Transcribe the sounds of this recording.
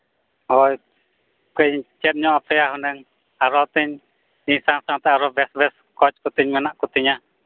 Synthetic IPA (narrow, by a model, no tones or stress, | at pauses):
hɔj | kɛɲt͡ʃɛt̪̚ɲɔapʰɛjaɦɔnɛŋ | aɾɔt̪iɲ | iɲsaŋsaŋt̪ɛaɾɔbɛsbɛs | kɔt͡ʃkut̪iɲmɛnaʔkut̪iɲa